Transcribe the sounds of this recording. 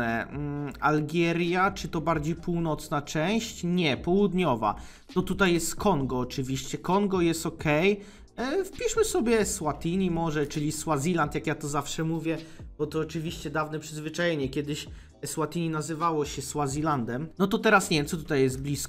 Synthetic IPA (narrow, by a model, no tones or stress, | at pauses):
ɛ | alɡʲjɛɾʲjat͡ʂɘt̪ɔbaɾd͡ʑejpuwnɔt̪snat͡ʂɛw̃ɕt͡ɕɲɛpɔwud̪ɲɔva̰ | t̪ɔt̪ut̪ajːjɛst̪kʰɔŋɡɔːt͡ʂɘvʲiɕt͡ɕɛkɔŋɡɔjɛst̪ɔkʰɛj | fpʲiʂmɘsɔbʲjɛswat̪ʲiɲimɔʐɛt͡ʂɘlʲiswazʲilant̪jakjat̪ɔzafʂɛmuvʲjɛbɔt̪ɔːt͡ʂɘvʲiɕt͡ɕɛd̪avnɛpʂɘzvɘt͡ʂajeɲɛkʲjɛd̪ɘɕ | swat̪iɲinazɘvawɔɕɛswazʲiland̪ɛmnɔt̪ɔt̪ɛɾasnɲɛvʲɛmt̪sɔt̪ut̪ajːɛst̪̚blʲisk